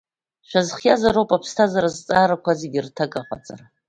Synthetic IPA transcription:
ʃᶣazχjazaɾowpʼapʰstʰazaɾazt͡sʼaːɾakʷʰazeɡʲɪrtʰakʼaqʼa̰t͡sʼa̰ra

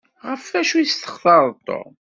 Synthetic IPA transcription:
ʁəfæʃujist̪ə̥χθɑɾˤt̪ˤːo̰

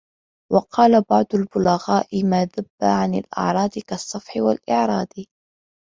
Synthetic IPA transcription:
wɑqʰɑːlabɑʕd̪ˤʊlbʊlaɣaːʔɪmaːðabːaʕanɪlʔɑ̰ʕɾˤɑːd̪kɑsˤːɑfħɪwa̰lʔɪʕɾˤɑːd̪

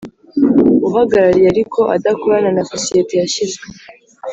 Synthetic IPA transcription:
uɦaɡaɾaɾijeaɾikʰo̞ʔa̰dakuβananasosijetejaʃizɡe

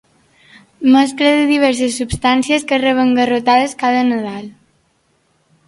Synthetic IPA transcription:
məs̬kləðəðiβɛɾsəsːupst̪ansiəskərəβəŋɡərot̪aðəskaðənəðal

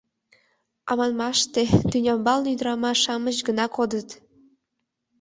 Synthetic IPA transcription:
ɑmɑnmɑʃt̪et̪ynʲɑmbɑlnyd̪əɾɑmɑʃɑməʑɡənɑkod̪ət̪

